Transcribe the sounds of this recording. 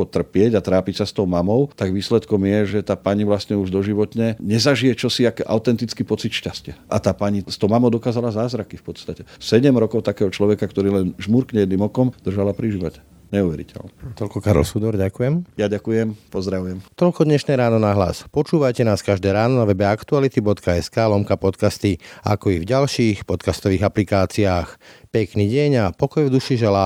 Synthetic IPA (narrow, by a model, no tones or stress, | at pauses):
ɔt̪r̩pɪɛɟat̪ɾaːpicsast̪ɔʊmamɔʊt̪aɡʋiːslɛt̪kɔmjɛʒɛt̪aːpaɲiʋlast̪ɲɛuʒd̪ɔʒiʋɔt̪ɲɛɲɛzaʒijɛt͡ʃɔsiakʔa̰ʊt̪ɛnt̪it͡skipɔt͡sit̪ʃcascɪɛʔat̪aːpaɲist̪ɔʊmamɔʊd̪ɔkaːzalazaːzɾakifpɔt̪st̪acɛsɛɟɛmɾɔkɔʊt̪akɛːɦɔt͡ʃlɔʋɛkakt̪ɔɾiːlɛnʒmuɾkɲɛɛd̪niːmɔkɔmd̪r̩ʒalapɾiʒiːʋacɛ | ɲɛuʋɛɾḭcɛ̰lnɛt̪ɔlkɔkaɾɔ̰lsud̪ɔɾɟakujɛmjaɟakujɛmpɔzd̪ɾaʋujɛmt̪ɔlkɔd̪ɲɛʃnɛːɾaːnɔnaɦla̰spɔt͡ʃuːʋajcɛnaːskaʒd̪ɛːɾaːnɔnaʋɛbɛakt̪ualit̪ibɔt̪kaɛskaːlɔmkapɔt̪kast̪ia̰kɔivɟalʃiːxpɔt̪kast̪ɔʋiːɣaplikaːt͡siaːxpɛkniːɟɛɲapɔkɔjvd̪uʃiʒɛlaː